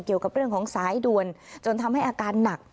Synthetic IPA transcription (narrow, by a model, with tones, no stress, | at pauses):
ŋki˨˩əwka˨˩p̚ɾɯ˥˩əŋkʰːŋsaː˩˦jdu˨˧ənt͡ɕo˧nt̪ʰa˧mha˥˩jʔaː˧kaː˧nːa˨˩k̚